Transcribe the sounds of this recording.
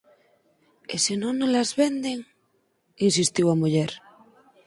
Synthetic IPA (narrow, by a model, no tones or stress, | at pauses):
esinõnːõlazβend̪eŋ | ins̬ist̪iwamuʎeɾ